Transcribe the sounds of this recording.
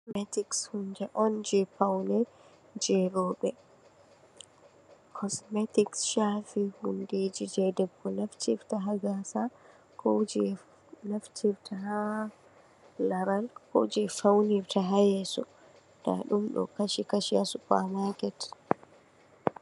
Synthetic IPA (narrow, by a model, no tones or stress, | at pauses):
mɛtikshundɛʔɔnd͡ʒɛpawnɛ | d͡ʒɛɾɔːɓɛ | kʰɔsmɛtiksʃaːfihundeːd͡ʒid͡ʒɛdɛbːɔnaftiftaɦaɡasa | kʰod͡ʒɛ | naftʰiftʰaha | laɾalkɔ̰d͡ʒɛfawniɾtaɦajɛsɔ | d̥a̰ɗumɗɔ̰kaʃikaʃiasupamakɛt